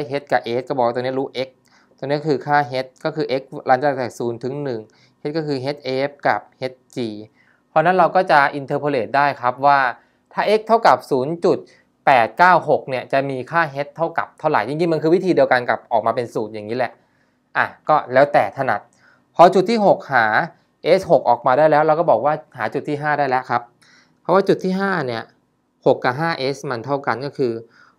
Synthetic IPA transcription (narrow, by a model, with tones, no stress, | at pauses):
a˥˩jɦe˦˥t̪̚ka˨˩ʔeː˦˥t̚kɔː˥˩bɔː˨˩wa˥˩oː˧ni˦˥ɾuː˦˥ʔe˦˥k̚ | t̪oː˧ŋni˦˥˩kʰɯː˧kʰaː˥˩ɦe˦˥t̪̚kɔː˥˩kʰɯː˧ʔe˦˥k̚laː˦˥nt͡ɕa˧˨˩t̪ɛː˨˩suː˩˦nt̪ʰɯ˩˦ŋnɯ˨˩ŋ | he˦˥t̪̚kɔː˥˩kʰɯː˧ɦe˦˥t̪̚ʔeː˦˥p̚ka̰˨˩p̚he˦˥t̪̚t͡ɕiː˧ | pʰɔ˧na˦˥nɾa˧wkɔː˥˩t͡ɕa˨˩ʔi˧nt̪ʰɤː˧pʰo˧leː˨˩t̪̚daː˥˩jkʰɾa˦˥p̚waː˥˩ | t̪ʰaː˥˩ʔe˦˥k̚t̪ʰa˥˩wka˨˩p̚suː˩˦nt͡ɕu˨˩t̪̚ | pɛː˨˩t̪̚kaː˥˩wɦo˨˩k̚ni˥˩ət͡ɕa˨˩miː˧kʰaː˥˩ɦe˦˥t̪ʰːa˥˩wka̰˨˩p̚t̪ʰa˥˩wɾa̰˨˩jt͡ɕi˧ŋt͡ɕi˧ŋma˧nkʰɯː˧wi˦˥t̪ʰiː˧di˧ə˧wka˧nka̰˨˩p̚ʔɔː˨˩k̚maː˧pe˧nsuː˨˩t̪̚jaː˨˩ŋiː˦˥lɛ˨˩ʔ | ʔa˨˧˩kɔː˥˩lɛː˦˥wt̪ɛː˨˩t̪ʰa˧˩na̰˨˩t̪̚ | pʰɔː˧t͡ɕu˨˩t̪ʰːiː˥˩ɦo˨˩k̚haː˩˦ | ʔe˦˥sho˨˩k̚ʔɔː˨˩k̚maː˧ɾaː˥˩jlɛː˦˥wɾɛ˧wkɔ˥˩bɔː˨˩k̚waː˥˩haː˩˦t͡ɕu˨˩t̪ʰːiː˥˩ɦaː˥˩daː˥˩jlɛ˦˥ʔkʰɾa˦˥p̚ | pʰːɔ˦˥waː˥˩t͡ɕu˨˩t̪ʰːiː˥˩ɦaː˥˩ni˥˩ɐ | ho˨˩kːa˨˩ɦaː˥˩ʔe˦˥sma˧nt̪ʰa˥˩wka˧nkɔː˥˩kʰɯː˧